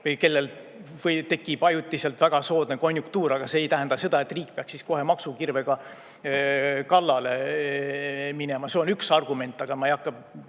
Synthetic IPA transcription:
ke̞lːe̞l | vɤjt̪e̞kːˑibɑjut̪ʲːˑise̞lt̪væɡ̥ɑso̞ːd̪ne̞ko̞nʲːjukt̪uːɾɑɡ̥ɑse̞ːjt̪æɦend̪̥ɑse̞d̪̥ɑe̞t̪riːk̚peɑksisko̞ɦe̞mɑksukirve̞ɡ̥ɑ | kɑlːɑle̞ | mine̞mɑse̞o̞nyksɑrɡume̞nʲt̪ːˑɑɡ̥ɑmɑejɑkːɑ

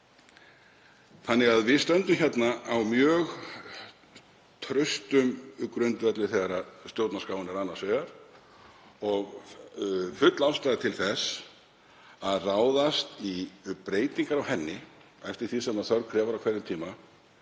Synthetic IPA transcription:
θanːɪɣaðvɪðst̪œnt̪ʏmçɛt̪naawmjœːɣ | t̪ʰɾœɥst̪ʏmkɾʏnt̪vɛt̪lɪθeɣaɾast̪jowt̪naskaːwɪnɛɾanːasvɛːɣaɾ̥ | ɔɣ | fʏt̪lawst̪aːðɪt̪ʰɪlθɛs | aðraːwðast̪ipɾeːjt̪iŋkaɾawhɛnːɪ | ɛft̪ɪɾ̥θisɛmaðθœɾkʰɾɛːvaɾawkʰvɛɾðɪmt̪ʰiːma

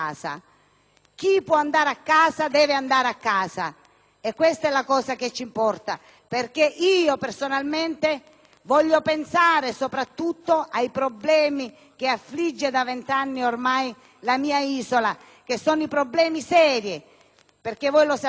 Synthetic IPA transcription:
aːsa̰ | k̟ipːwɔand̪aːɾeakːaːzad̪ɛːveand̪aːɾakːaːsa̰ | ekːwest̪ɛlakɔːsaket͡ʃːimpɔrt̪a | perk̟eʔiːopersonalment̪e | vɔʎːopensaːɾesopɾat̪ːut̪ːoʔajpɾoblɛːmi | k̟eafːlid͡ʒːed̪avent̪anːiormaj | lamiːaiːsola | k̟esːɔːnoipɾoblɛːmisɛːɾje | perkevɔjlos

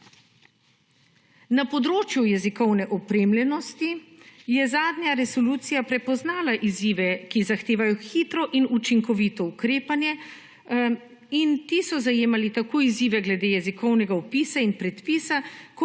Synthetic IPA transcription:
napɔd̪ɾoːt͡ʃjujɛzikɔwnɛʔɔpɾeːmlʲɛnɔst̪ijɛzaːd̪njaɾɛsɔluːt̪sijapɾɛpɔznaːlaʔiziːʋɛkizaxt̪eːʋajɔxiːt̪ɾɔʔinut͡ʃiŋkɔʋit̪ɔukɾeːpanjɛ | int̪iːsɔzajeːmalit̪akoːiziːʋɛɡlɛd̪eːjɛzikɔwnɛɡaɔpiːsainpɾɛt̪piːsak

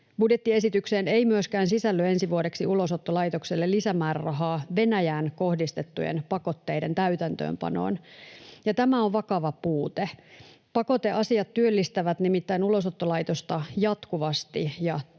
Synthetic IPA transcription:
b̥udjet̪ːie̞sit̪ykseːneimyøskæːnsisælːøe̞nsiʋuodeksiulosot̪ːolɑit̪okselːelːisæmæːrɑrɑɦɑːʋe̞næjæːnko̞hdist̪et̪ːujḛnpɑko̞t̪ːe̞jdent̪æyt̪ænt̪ø̰ːmpɑ̰no̰ːnjɑt̪æmæoʋʋɑkɑʋɑpuːt̪e | pɑko̞t̪e̞ʔɑsiɑt̪tyølːist̪æʋæt̪nimit̪ːæinulosot̪ːolɑjt̪ost̪ɑjɑt̪kuʋɑst̪ijɑ

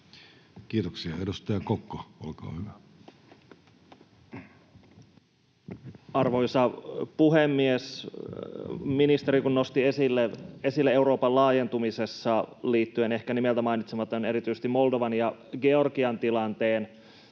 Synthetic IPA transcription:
kiːt̪oksiɑedust̪ɑjɑkokːoolkɑ̰ːhyʋæ | ɑrʋo̞isɑpuɦemːies | minist̪e̞ɾikunno̞st̪iesilːee̞silːee̞uɾo̞ːpɑllɑːje̞nt̪umisesːɑliːt̪ːyene̞hkænimelt̪æmɑinit̪semɑt̪ːˑɑne̞ɾit̪yjse̥st̪imːo̞ldo̞ʋɑnjɑɡe̞o̞rkiɑnt̪ilɑnt̪e̞ːn

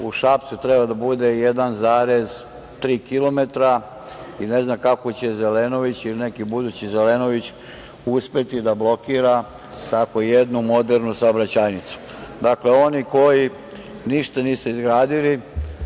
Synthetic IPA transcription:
uʃap̚t̪sut̪ɾebad̪abud̪e̞jed̪anzaːɾe̞z | t̪ɾiːkilˠo̞me̞t̪ɾa | ine̞znakakot͡ɕe̞ze̞leno̞ʋit͡ɕilinekibud̪ut͡ɕize̞leno̞ʋit͡ɕ | uspe̞t̪id̪ablo̞kiːɾa | t̪ako̞jed̪numo̞d̪eɾnusaobɾat͡ɕajnit̪su̥ | d̪akle̞o̞niko̞ji | niʃt̪aniːsuizɡɾaːd̪ili

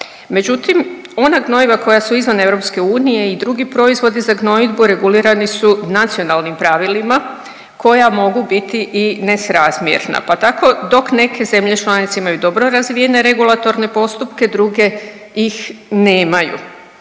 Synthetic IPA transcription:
me̞d͡ʒut̪im | o̞naɡno̞iʋakʰo̞jasuizʋane̞ʋɾo̞pske̞uːnije̞id̪ɾuɡipɾo̞izʋo̞d̪izaɡno̞id̪buɾe̞ɡuliːɾanisunat̪sio̞nalˠnimpɾaʋilima | ko̞jamo̞ɡubit̪iʔine̞sɾazmjḛɾna̰pat̪akʰo̞d̪o̞kne̞kʰe̞ze̞mʎe̞t͡ʃlˠanit̪se̞imajud̪o̞bɾoɾazʋije̞ne̞ɾe̞ɡulˠat̪o̞ɾne̞po̞st̪upke̞d̪ɾuɡe̞ | ixne̞ːmajṵ

